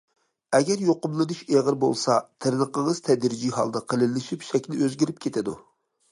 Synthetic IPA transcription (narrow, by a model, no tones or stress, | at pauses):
ɛɡʲɛɾjoqʊmlˠɨnuʃeʁəɾbo̰lˠsɑt̪ʰəɾnəqəŋəz̥t̪ʰɛd̪ɾd͡ʒiɦɑ̰lˠd̪ɨqʰəlɪlɪʃipʃɛkʲnɪøzɡʲiɾɪp̚kʲʰet̪ʰɪd̪u